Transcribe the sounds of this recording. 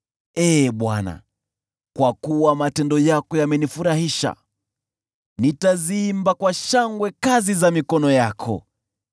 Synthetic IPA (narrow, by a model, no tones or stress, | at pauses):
ɛːɓwana̰ | kwakuwamatɛndɔjakɔjamɛnifuɾahiʃa̰ | nitaziimbakwaʃaŋɡwɛkazizamikɔnɔjakʰɔ̰